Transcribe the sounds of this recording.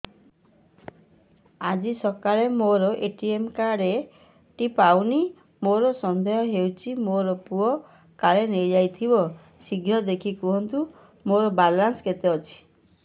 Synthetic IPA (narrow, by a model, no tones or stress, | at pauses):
ad͡ʒisɔkaɭemoɾɔʔeʈiemkaɽe | ʈipawni | moɾɔsɔnd̪ʱɔjɔɦewt͡ʃʰimoɾɔpuɔ | kaɭenejd͡ʒajt̪ʰibɔ | siɡʱɾɔd̪ekʰikuɦɔnt̪u | moɾɔbalansket̪eɔt͡ʃʰi̥